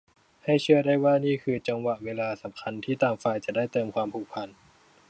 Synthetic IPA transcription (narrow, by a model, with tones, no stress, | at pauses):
ha˥˩jt͡ɕʰɯ˥˩ɐdaː˥˩jwaː˥˩niː˥˩kʰɯː˧t͡ɕa˧ŋwa˨˩ʔweː˧laː˧sa˨˩˦mkʰa˧nt̪ʰiː˥˩t̪aː˧mfaː˧jt͡ɕa˨˩daː˥˩jt̪ɤː˧mkʰwaː˧mpʰuː˨˩k̚pʰa˧n